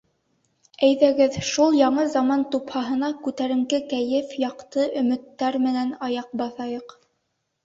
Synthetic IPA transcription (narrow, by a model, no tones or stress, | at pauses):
æjðæɡɘðʃulˠjɑɴɤzɑmɑnt̪uphɑɦɤ̆nɑkʉt̪æɾɘ̆ŋɡɘkæjɘfjɑqt̪ɤʔɵ̆mɘ̆t̪ːæɾmɘ̆nænɑjɑq̚bɑθɑjɤq